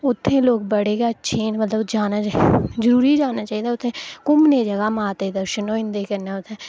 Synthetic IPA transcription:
ʊt̪ʰːẽːloːk̚bəɽeːɡaətːʃʰeːnmət̪ləd͡ʒaːnaːzəɾuːɾiːd͡ʒaːnaːt͡ʃaːiːd̪aːʊt̪ʰːẽːkʊmneːd͡ʒəɡaːmaːt̪eːd̪əɾʃənõːɪ̃nd̪eːkəɾnaːʊt̪ʰːẽː

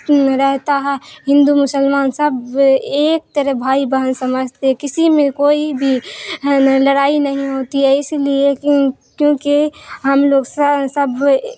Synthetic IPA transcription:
ɾɛɦt̪aɦɛɦɪ̃nd̪umʊsəlmaːnsəbeːk̚t̪əɾebʱaːibəɦənsɐməd͡ʒʱt̪eɦɛkɪsimẽkoːibʱi | ləɽaːinəɦĩɦoːt̪iɦɛɪsliekjõːkiɦəmloːɡssəbʱ

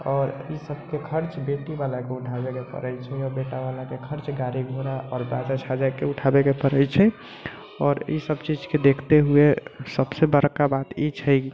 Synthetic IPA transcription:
ɔːɾisəb̚ʱkekʰəɾt͡ʃbeʈibalakeuʈʰabekepə̰ɾəjt͡ʃʰɛɔɾbeʈabalakekʰəɾt͡ʃɡaɾiɡʱoɾaʔɔːɾbad͡ʒat͡ʃʰad͡ʒakeuʈʰabekepəɾəjt͡ʃʰɛ | ɔːɾḭsəbt͡ʃid͡ʒked̪ekʰt̪eɦuesəbsebəɾkːabat̪it͡ʃʰəj

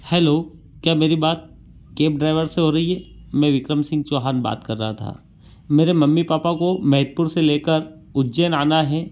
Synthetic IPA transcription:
hɛːloː | kjaːmeːɾibaːt̪̚ | keːp̚ɖɾaːɪʋəɾseɦoːɾɐɦiɦɛːmɛ̃ʋɪkɾəmsɪ̃ŋɡ̚t͡ʃoːɦaːnba̰ːt̪kɐɾːɐɦat̪ʰa̰ː | meːɾemɐmːipaːpakomɛɦət̪̚pʊɾseleːkəɾ | ʊd͡ʒeːnaːnaɦɛː

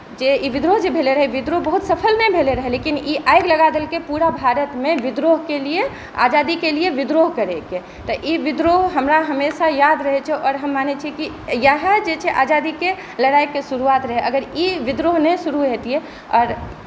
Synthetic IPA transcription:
d͡ʒeiʋid̪ɾoɦd͡ʒebʱeleɾəɦɛʋid̪ɾoɦbəɦut̪səpʰəlnɛjbʱeleɾəɦɛlekiniʔajɡləɡad̪elkepuɾabʱaɾət̪meʋid̪ɾoɦkelije | a̰d͡ʒad̪ikelieʋid̪ɾoɦkəɾeke | t̪ɔʔiʋid̪ɾoɦɦəmɾaɦəmesajad̪ɾəɦɛt͡ʃʰɛʔɔːɾɦəmːanet͡ʃʰiki | jəɦad͡ʒet͡ʃʰɛʔad͡ʒad̪ike | ləɽajkːesuɾuat̪ɾəɦɛʔəɡəɾiʋid̪ɾoɦnɛsuɾuɦet̪ije | ɔːɾ

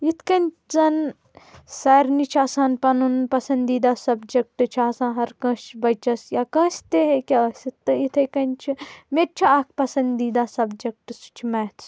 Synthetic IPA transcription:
jit̪ʰkɐnʲ | t͡sɐn | sɐːɾnit͡ʃʰaːsãːnpɐnunpɐsɐnd̪iːd̪aːsɐbd͡ʒɐk̚ʈɨt͡ʃʰaːsãːɦɐɾkɐ̃ːst͡ʃʰbɐjt͡ʃɐsjaːkɐ̃ːsʲt̪eɦekʲasʲit̪ːɨit̪ʰɐkɐnʲt͡ʃʰimeɾt͡ʃʰiaːk̚ʰpɐsɐnd̪iːd̪aːsɐbd͡ʒɐk̚ʈɨst͡ʃʰimɐːt̪ʰ

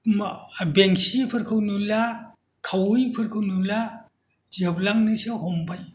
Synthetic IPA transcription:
beŋsipʰɯɾkʰɯwnula | kʰawɯjpʰɯɾkʰɯwnula | zɯblaŋnɯsɯhɔmbaj

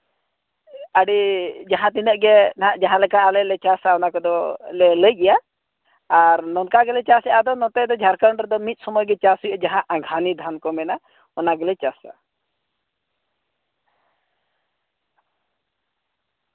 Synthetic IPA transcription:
aɖid͡ʒaɦãt̪̬inəʔɡɛad͡ʒaɦãlɛkaalɛlɛt͡ʃasaɔnakɔd̪ɔlɛləjɡɛjaː | ɾnɔnkaɡɛlɛt͡ʃasɛʔad̪ɔnɔt̪ɛd̪ɔd͡ʒʱaɾkaɳɾɛd̪ɔmit̪̚ˀsɔmɔjɡɛt͡ʃasujəd͡ʒaɦãʔaɡʱanid̪ʱankɔmɛna | ɔnaɡɛlɛt͡ʃasa̰

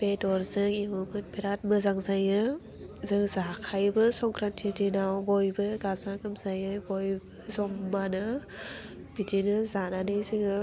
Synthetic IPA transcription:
b̥etɔɾzɯŋimɯmɯt̚biɾat̚mɯzaŋzajɯ | zɯŋzakʰajbɯsɔŋkʰɾantʰidinawbɔjbɯɡazaɡɯmzajɯjbɔjbɯzɔmːanɯ | b̥idinɯzananɯjzɯŋɯ

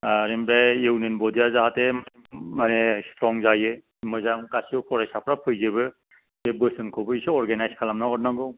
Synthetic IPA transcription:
aɾembɾajewnɯnbɔdijazaɦatema | manestɾɔŋzajɯ | mɯzamkasiɔpʰɔɾajsapʰɾapʰɯjzeβɯ | ebɯsɯnkʰɔbɯisɯɔɾɡenajskʰalamnaɔtnaɡɯ

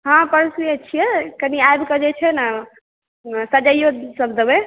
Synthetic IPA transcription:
ɦãpəɾsmiət͡ʃʰijɛkəniajbkəd͡ʒɛt͡ʃʰɛna | sad͡ʒajosəbd̪ebɛ

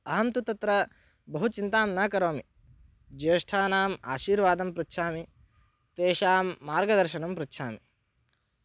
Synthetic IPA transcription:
ɐɦɐnt̪ut̪ɐt̪ɾɐ | bɐɦut͡ʃint̪aːmnaːkɐɾoːmi | d͡ʒeːʂʈʰaːnaːma̰ːʃiːɾʋaːd̪ɐmpɾut̪ːʃʰaːmi | t̪eːʃaːmːaːɾɡɐd̪ɐɾʃɐɳɐmpɾut̪ːʃʰaːmi

